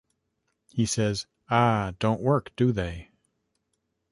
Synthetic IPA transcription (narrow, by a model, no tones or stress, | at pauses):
hisɛz | ad̥õʊ̃nʔwɜ˞kd̥ɨðeɪ